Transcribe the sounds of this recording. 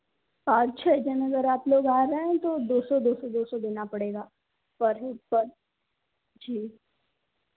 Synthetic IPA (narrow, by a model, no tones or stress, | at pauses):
paːɾt͡ʃʰɛd͡ʒɛnɐɡəɾaːploːɡaːɾəɦɛ̃t̪od̪oːsod̪oːsod̪oːsɔd̪ɪnapɐɽeːɡaː | pɐɾpɐɾ | d͡ʒiː